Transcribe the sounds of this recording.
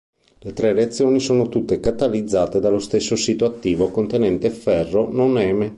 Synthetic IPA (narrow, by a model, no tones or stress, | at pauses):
let̪ɾɛreat̪sːjoːnisoːnot̪ut̪ːekat̪alid̪zːaːt̪ed̪alːost̪esːosiːt̪oat̪ːiːvokont̪enɛnt̪efːɛrːononɛːme